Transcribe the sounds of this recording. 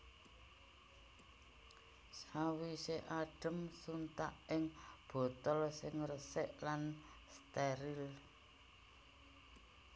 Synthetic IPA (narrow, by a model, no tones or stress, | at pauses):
sawiseʔaɖ̥ə̤msunt̪aʔɪŋb̥ɔ̤t̪ɔlsɪŋrəsɪʔlan | st̪eɾɪl